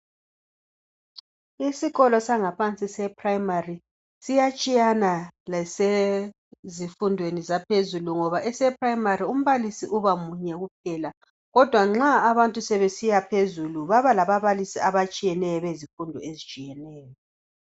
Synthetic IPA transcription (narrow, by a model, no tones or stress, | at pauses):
isiɣɔlɔsaŋapʰant͡sʼisɛpʰʼrajmari | sijat͡ʃʼijanalɛse | zifundʱwenizapʰezuluŋɔβaʔɛsɛpʰʼrajmaɾium̩βalisiʔuβamuɲɛɣup̚ɛla | ɣɔd̥ʱwaŋ͡ǁaːβantʼusɛβesijapʰezuluβaβalaβaβalisiaβat͡ʃʼijɛnɛjɔβezifundʱɔ̰ezit͡ʃʼijɛnɛːjɔ